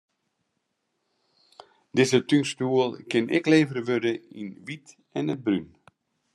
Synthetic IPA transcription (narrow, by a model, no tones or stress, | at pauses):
dɪzətyŋstuəlˠkɪnʔɪ̰kleːvərʋødəinʋit | ɛnət̚bryn